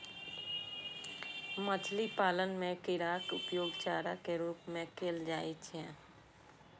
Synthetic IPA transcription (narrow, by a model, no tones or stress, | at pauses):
mət͡ʃʰlipaːlənmẽkɪɾaːkʊpjoːɡt͡ʃaːɾakeɾuːpmẽkʰeːld͡ʒaːit͡ʃʰɛ̃